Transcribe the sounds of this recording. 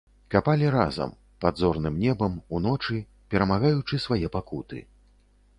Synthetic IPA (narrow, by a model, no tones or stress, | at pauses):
kapalʲiɾa̰zɐ̰m | pad̪zɔrnɨmnʲɛbɐmun̪ɔt͡ʂɨ | pʲɛɾɐmaɣajut͡ʂɨsvajɛpakut̪ɨ̰